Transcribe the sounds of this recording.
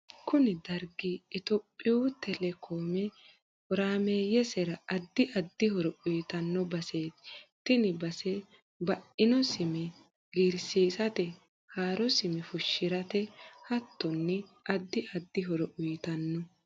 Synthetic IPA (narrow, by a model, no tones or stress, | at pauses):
kʊnɪd̪ɐɾɡiɪt̪ɔpʼːɪjut̪ɛlɛkʰoːmɛ | hɔɾaːmeːjɛsɛɾɐɐd̪ːɪʔɐd̪ːɪhɔɾɔʊjt̪ɐnːɔbɐseːt̪t̪ːɪnɪbɐsɛ | bɐʔɪnɔsɪmɛ | ɡiɾsiːsɐt̪ɛ | haːɾɔsɪmɛfʊʃːɪɾɐt̪ɛhɐt̪ːɔnːɛ | ɐd̪ːɪʔɐd̪ːɪɦɔɾɔʔʊjɪt̪ɐnːɔ